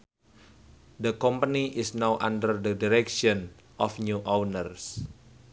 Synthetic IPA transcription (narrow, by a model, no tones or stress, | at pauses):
d̪əkɔmpaniʔɪsnawʔã̰ndərdədiɾɛkʃɔ̃n | ʔɔfnjuʔɔwnərs